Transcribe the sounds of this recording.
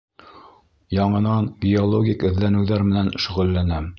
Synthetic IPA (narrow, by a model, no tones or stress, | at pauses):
jɑɴɤ̆nɑnbʲiolˠoɡʲikɵ̆ðlænɘ̆wðæɾmɘ̆nænʃɵ̆ʁɵ̆lːænæm